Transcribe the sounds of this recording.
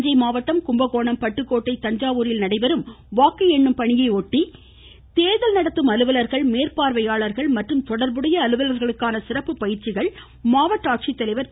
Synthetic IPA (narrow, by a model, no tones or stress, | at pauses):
d͡ʒɐɪmaːʋɐt̪ːɐmkʊmbɐɣoːɳɐmpɐʈːɯkːoːʈːɐɪt̪ɐɲd͡ʒaːʋuːɾɪlnɐɽɐɪʋɐɾɯmʋaːkːɯɛɳːɯmpɐɳɪjɐɪoːʈːi | t̪eːðɐlnɐɽɐt̪ːɯmɐlɯʋɐlɐɾɣɐɭmeːɾpaːɾʋɐjaːɭɐɾɣɐɭmɐʈrɯmt̪ɔɽɐɾbɯɽɐjɐːlɯʋɐlɐɾɣɐɭɯkːaːnɐsɪɾɐpːɯpɐjɪɾt͡ʃɪɣɐɭ | maːʋɐʈːaːk̚t͡ʃit̪ːɐlɐɪʋɐɾ